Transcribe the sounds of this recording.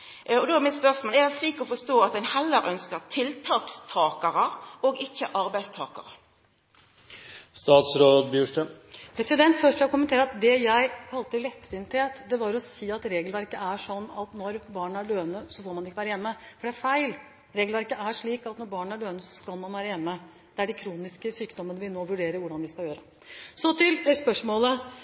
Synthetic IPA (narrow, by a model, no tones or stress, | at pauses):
ɔd̪ɔæmɪt̪spœsmoːlɛɾd̪ɛsliːkɔfɔʂt̪oːɑt̪̚d̪ɛnhɛlːəɾʔœnskəɾt̪ʰɪlt̪ʰɑːkst̪ʰɑːkɑɾəɔɡɪçːəʔɑɾbæɪst̪ʰɑ̰ːkɑ̰ɾə | st̪ɑːt̪sɾoːd̪bjʉːʂʈəpʰɾɛsɪd̪ɛnt̪fœʂlɛkʰʊmənt̪ʰeːɾəɑt̪d̪ɛjæɪkʰɑlt̪əlɛt̪ːʋɪnt̪heːt̪d̪ɛʋɑɾɔsiːɑt̪ɾeːɡəlʋæɾkəʔæʂɔnːɑt̪nɔɾbɑːɳæɖøːənəsɔfoːɾmɑnɪkːəʋæːɾəjɛnːəfɔɖɛæɾfæɪl | ɾeːɡlʋæɾkəʔæʂɭiːkɑt̪nɔɾbɑːɳæɖøːənəsɔskɑlmɑnʋæːɾəjɛnːə | d̪̥ɛæɖɛkʰɾuːnɪskəsyːkd̪ɔmənəʋɪnoːʋʉɖeːɾəʋʊɖɑnʋɪskɑljøːɾə | sɔt̪ʰɪlspœʂmoːlə